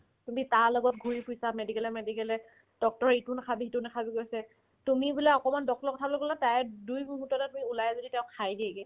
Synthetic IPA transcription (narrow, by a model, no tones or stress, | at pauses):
tumitaɹlɔɡɔtɡʱuɹipʰʊjsamedikɛlɛmedikɛlɛ | d̥ɔk̚tɔɹitunkʰabiitunɛkʰabiɡojsɛ | tumibulaɔkɔmandɔk̚tɔɹkɔtʰabɔloɡɔlatajɛdujmuɦutːɔtɛtumiulajɛzoditɛ̃ʊ̃kʰajdiɛɡɛ